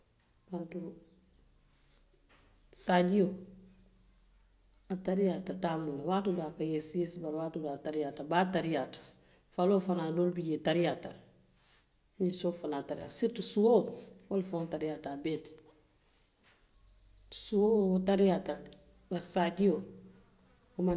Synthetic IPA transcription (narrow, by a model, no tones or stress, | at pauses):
pantu | saɟijo | ataɾijatatamulawatudakajesiesbaɾwatudataɾijatabataɾijatḁ | faloːfanadolbiɟetaɾijata | ɲisofanataɾija̰siɾtusuwowalfotaɾijatabeːt | suwotaɾijata | baɾsaɟijo | kuma